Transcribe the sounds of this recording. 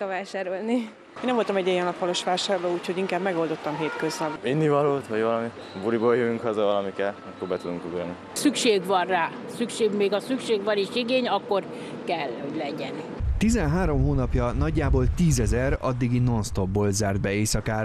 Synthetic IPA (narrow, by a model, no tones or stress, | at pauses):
vaːʃaːɾolni | eːnɛmvo̞lt̪ɒmɛɟːɛjɛnɒppɒlo̞ʃʋaːʃaːrloːuːcʰhoɟiŋkaːbmɛɡo̞ld̪o̞t̪ːɒmɦeːt̪køznɒbinːivɒloːt̪ʋɒɟvɒlɒmi | buɾiboːljøjyŋkhɒzɒvɒlɒmikɛlɛkːoɾbɛt̪ud̪uŋkyɡɾɛni | sykʃeːɡʋɒnraːsykʃeːɡmeːɡɒsykʃeːɡʋɒneːʃiɡeːɲɒkːo̞r | kɛlːho̞ɟlɛɟɛn | t̪izɛnɦaːɾo̞mɦoːnɒpjɒnɒɟːaːboːlt̪iːzɛzɛɾɒ̰d̪ːiɡino̞nst̪o̞b̚boːlzaːrd̪̚bɛeːsɒkaːr